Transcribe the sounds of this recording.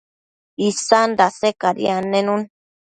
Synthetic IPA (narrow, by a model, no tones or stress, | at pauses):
isand̪asekaɾḭanẽnũn